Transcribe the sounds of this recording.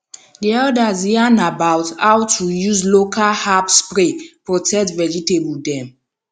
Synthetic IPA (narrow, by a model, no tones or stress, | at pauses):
diɔdazianabawthawtʰujuzlokʰalhapspɹepɹotʰɛk̚tvɛd͡ʒitebudɛ̃m